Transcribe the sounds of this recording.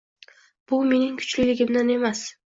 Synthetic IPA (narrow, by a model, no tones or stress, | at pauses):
b̥ʊme̞nɪŋkʰʊ̥t͡ʃlɪlʲɪɡʲɪmd̪ane̞mas